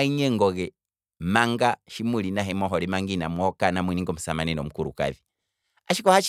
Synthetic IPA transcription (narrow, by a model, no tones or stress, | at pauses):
iɲɛŋɡɔɣɛ | maŋɡaʃimilinaɦɛmɔɦɔlimaŋɡinamuɔkanamwiniŋɡɔm̩samaninɔm̩kuɾṵka̰ði | aʃikɔhaʃ